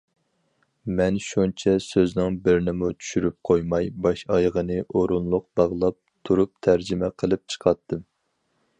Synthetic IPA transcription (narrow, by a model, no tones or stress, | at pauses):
mɛnʃunt͡ʃʰɛsøznɪŋbɪɾnɪmut͡ʃʰy̥ʃyɾyp̚qʰojmɑjbɑʃɑjʁənɨʔoɾunlˠʊq̚b̥ɑʁlˠɑp̚t̪ʰuɾup̚t̪ʰæɾd͡ʒɪmɛqʰəlˠɨp̚t͡ʃʰə̥qʰɑt̪ʰːɨm